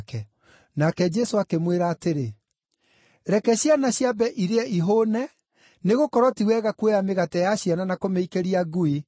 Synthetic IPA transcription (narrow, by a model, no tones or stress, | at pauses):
kɛ | nakɛd͡ʒɛsoakemweɾaːteɾe | ɾɛkɛɕjanaɕjabɛʔiɾeɛiɦonɛ | neɣokɔɾɔtiwɛɣakwejameɣatɛjaɕjananakomeikeɾiaɡui